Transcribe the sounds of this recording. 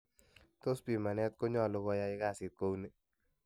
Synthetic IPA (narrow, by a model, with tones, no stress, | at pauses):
t̪o˦spi˨ma˨nɛ˦t̪̚ko˦ɲɔ˦˨lo˨˦kɔ˧˦ja˧˦ɪ˦ka˦˨sɪ˨t̪̚ko˦wni˦